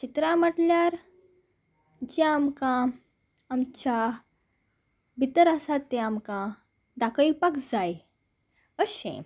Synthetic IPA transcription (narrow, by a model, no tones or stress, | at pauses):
t͡ɕit̪ɾãməʈljaɾ | d͡ʑaamkã | amt͡ɕa | bʱit̪əɾasat̪ːeamkã | d̪akəipakd͡zaj | əɕḛ̃